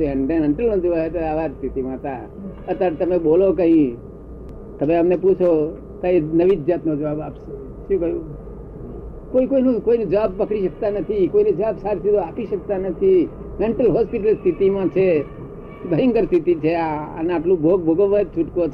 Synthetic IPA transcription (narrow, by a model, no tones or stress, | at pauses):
eəɳɖəmeɳʈəlnõd͡ʒoʋaet̪aaʋaɾst̪ʰit̪imãt̪a | ət̪aɾt̪əmeɓolokə̃ɦĩ | t̪əmeəmneput͡ʃʰo | t̪aenəʋid͡ʒd͡ʒat̪nod͡ʒəʋabapʃe | ʃũkəjũ | koikoinũkoined͡ʒəʋab̚pəkɽiʃək̚t̪anət̪ʰikoined͡ʒəʋabsaɾsid̪oapiʃək̚t̪anət̪ʰi | meɳʈəlɦɔspiʈ̬əlst̪ʰit̪imãt͡ʃʰe | bʱəjəŋɡəɾst̪ʰit̪it͡ʃʰeaə̰neaʈlũbʱoɡ̚bʱoɡəʋət̪̚t͡ʃʰuʈko